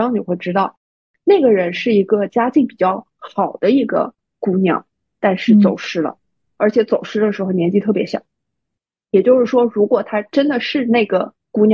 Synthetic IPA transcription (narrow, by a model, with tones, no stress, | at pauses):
ɑ˥ni˨˩xwe˥˩ɪʈ͡ʂɻ̩˥t̪ɑ˥˩ʊ | ne˥˩ɡə˩ɻə˧˥nʂɻ̩˥˩i˧˥ɡə˧t͡ɕja˥t͡ɕi˥˩ŋpi˨˩t͡ɕjɑ˥˩ʊ | xxɑ˨˩ʊd̪ə˦i˥˩ɡə̰˧ | ku˥njɑ̰˨˩˦ | t̪a˥˧nʂɻ̩˥˩t͡so˨˩ʊʂɻ̩˥lə̰˨˩ | ə˞˧˥t͡ɕʰjɛ˧˥t͡so˨˩ʊʂɻ̩˥d̪ə˨ʂɻ̩˧˥xo˥˧ʊnjɛ˧˥nt͡ɕi˥˧t̪ʰɤ˥˩pjɛ˧˥ɕjɑ̰˨˩˦ | jɛ˨˩t͡ɕjo˥˧ʊʂɻ̩˥˩ʂwɔ˥ɻu˧˥kwɔ˨˩t̪ʰa˥ʈ͡ʂə˥nd̪ə˨ʂɻ̩˥˧ne˥˩ɪɡə̰˩ | ku˧˥njɑ˨